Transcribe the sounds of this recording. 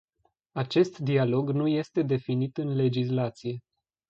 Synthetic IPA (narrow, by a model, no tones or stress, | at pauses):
at͡ʃe̞st̪d̪ialo̞ɡnuje̞st̪e̞d̪e̞finit̪ɨnle̞d͡ʒislat̪sije̞